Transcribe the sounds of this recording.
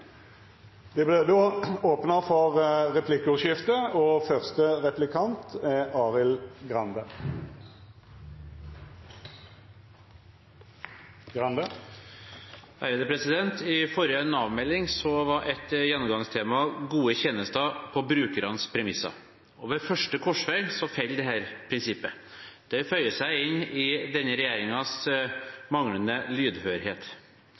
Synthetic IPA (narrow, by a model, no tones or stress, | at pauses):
d̪̥ɛblɛd̪oːoːpnəfɔʁʁɛpʰlɪkːʉʃjɪft̪əɔfœʁst̪əʁɛplɪkʰɑnt̪ɛɑːʁɪlɡʁɑnd̪ə | ɡʁɑnd̪ə | hæɾəd̪əpʰɾɛsɪd̪ɛnt̪ɪfɔɾjəɛnɑːʋmɛlːɪŋsɔʋɑɾʔɛt̪jɛnːʊmɡɑŋst̪ʰeːmɑɡuːəçɛːnəst̪ɑpʰɔbɾʉːkəɾɑnspʰɾɛmɪsɑ̰ | ɔʋɛfœʂʈəkʰɔʂʋeːɡsɔfɛld̪ɛɦæːɾpʰɾɪnsɪpːə | d̪̥ɛfœʏəsæɪɪnɪd̪ɛnːəɾɛjeːɾɪŋɑs | mɑŋlənəlyːd̪høːɾheːt̪